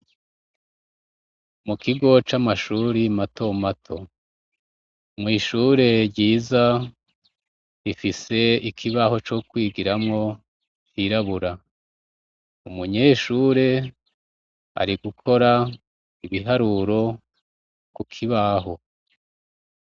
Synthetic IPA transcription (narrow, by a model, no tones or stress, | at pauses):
mukiɡo̞t͡ʃamaʃuːɾimatʰo̞matʰo̞ | mŋiːʃuːɾe̞ɾɟiːza | ɾifise̞ikʰiβaho̞t͡ʃokwiːɡiɾamŋo̞ | tiɾaβuɾa | umuɲe̞ːʃuːɾe̞ | a̰ɾiɡukʰo̞ɾa | iβiɦaɾuɾo̞ | kukʰiβaɦo̞